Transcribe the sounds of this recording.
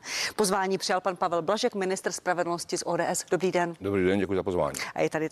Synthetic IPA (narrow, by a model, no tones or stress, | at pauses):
pozvaːɲiːpr̥ɪjalpanpavɛlblaʒɛkmɪnɪst̪rspɾavɛdl̩noscɪsʔoːdɛːʔɛsd̥obɾiːdɛndobɾiːdɛndɟɛkujʊzapozva̰ːɲḭʔa̰jɛt̪adɪ